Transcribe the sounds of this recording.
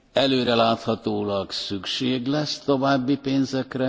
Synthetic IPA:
ɛløːɾɛlaːt̪hɒt̪oːlɒksykʃeːɡlɛst̪o̞vaːbːipeːnzɛkrɛ

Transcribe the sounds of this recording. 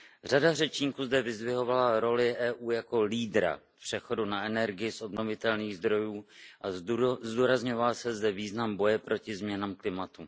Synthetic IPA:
r̝adar̝ɛt͡ʃɲiːkuːzdɛvɪzvɪɦo̞valaɾo̞lɪʔɛːʔuːjako̞liːdɾa̰ | pr̝̥ɛxo̞dunaʔɛnɛɾɡɪjɪsʔo̞bno̞vɪt̪ɛlniːɣzd̪ɾo̞juːʔazduːɾazɲo̞valsɛzdɛviːznambo̞jɛpɾʔo̞cɪzmɲɛnamklɪmat̪u

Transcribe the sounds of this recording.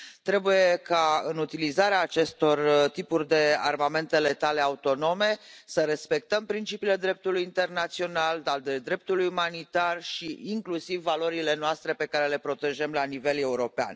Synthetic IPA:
t̪ɾe̞buje̞kaɨnut̪ilizaɾeaːt͡ʃe̞st̪o̞rt̪ipurʲd̪e̞a̰rmame̞nt̪e̞le̞t̪ale̞aut̪o̞no̞me̞səɾe̞spe̞k̚t̪əmpɾint͡ʃipile̞d̪ɾe̞p̚t̪ulujint̪e̞rnat̪sio̞nald̪ald̪ed̪ɾe̞p̚t̪ulujumanit̪arʃiːŋklusivːalo̞ɾile̞noast̪ɾe̞pe̞kaɾe̞le̞pɾo̞t̪e̞ʒemlanive̞le̞uɾo̞pea̰n

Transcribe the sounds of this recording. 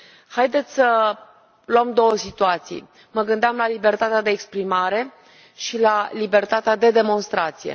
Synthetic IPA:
hajd̪e̞t̪sʲsə | luəmd̪o̞wəsit̪uat̪sḭj | məɡɨnd̪eamlalibe̞rt̪at̪ead̪e̞ːkspɾimaɾe̞ | ʃilalibe̞rt̪at̪ead̪e̞d̪e̞mo̞nst̪ɾat̪sijḛ

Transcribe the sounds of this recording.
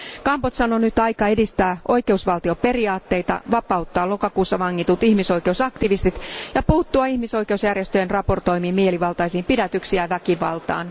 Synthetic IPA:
kɑmpot̪sɑnonyt̪ɑjkɑedist̪æːʔo̞jkeusʋɑlt̪io̞pe̞riɑːt̪ːe̞it̪ɑ̰ʋɑpɑut̪ːɑːlokɑkuːsːɑʋɑŋːit̪ut̪ihmiso̞jke̞usɑkt̪iʋist̪it̪jɑpuːt̪ːuɑihmiso̞ijke̞usjærjest̪øjenrɑpo̞rt̪o̞jmiːmieliʋɑlt̪ɑisiːmpidæt̪yksiæʋækiʋɑ̰lt̪ɑ̰ːn

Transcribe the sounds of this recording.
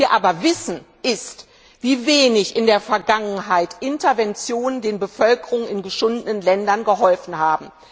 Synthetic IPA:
iːɐʔaːbɐvɪsn̩ | ʔɪst | v̥iːveːnɪçɪndeːɐfɛɐɡaŋənɦaɪtʔɪntɐvɛnt͡sjoːnəndeːnbəfœlkəʁʊŋənɪnɡəʃʊndənənlɛndɐnɡəɦɔlfn̩haːbm̩

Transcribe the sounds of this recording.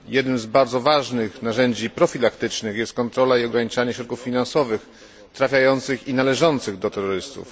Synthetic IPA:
jɛd̪nɘmzbaɾd̪zɔvaʐnɘxnaʐɛɲd͡ʑipɾɔfʲilakt̪ɘt͡ʂnɘxjɛst̪̚kɔnt̪ɾɔlaiɔɡɾaɲit͡ʂaɲɛɕɾɔt̪̚kufːʲinansɔvɘx | t̪ɾafʲajɔnt̪sɘxinalɛʐɔnt̪sɘɣd̪ɔt̪ɛɾːɔɾɘst̪ṵf

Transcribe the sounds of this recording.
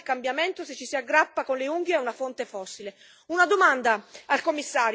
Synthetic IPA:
lkambjament̪oset͡ʃːisiaɡːɾapːakonleuŋɡjeɛunafont̪efɔsːile | unad̪omand̪aalkomːisːaːɾj

